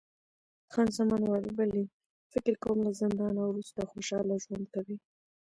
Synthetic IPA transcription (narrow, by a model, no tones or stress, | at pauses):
xɑnzamɑnwɑlibali | fɪkɪɾkawumlazɪnd̪ɑnawɾust̪axoʃɑlaʒwand̪kawi